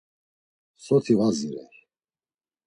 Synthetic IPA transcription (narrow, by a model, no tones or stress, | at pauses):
sɔt̪ʰivaziɾɛ̰